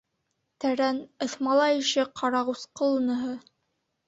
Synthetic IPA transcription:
t̪æɾænɤ̆θmɑlˠɑĭʃɘqʰɑɾɑʁusqɤ̆lˠɤ̆nɤ̆ɦɤ

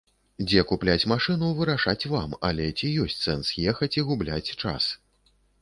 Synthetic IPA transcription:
d͡zʲɛkuplʲat͡sʲmaʂɨnuvɨɾaʂat͡sʲvamɐ̰lʲɛt͡sʲijɔsʲtʲt͡sʲsɛnsjɛxɐt͡sʲiɣublʲat͡sʲt͡ʂa̰s

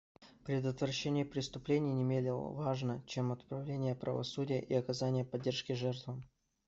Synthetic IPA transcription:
pɾʲɪd̪ət̪vrɐɕːenʲɪjəpɾʲɪst̪ʊplʲenʲɪjnʲɪmʲelʲɪlˠə̰vaʐnət͡ɕemɐt̪pɾɐvlʲenʲɪjəpɾʔə̰vɐ̰sudʲɪjə̰ʔiɐkɐzanʲɪjəpɐdʲːerʂkʲɪʐɛrt̪vəm

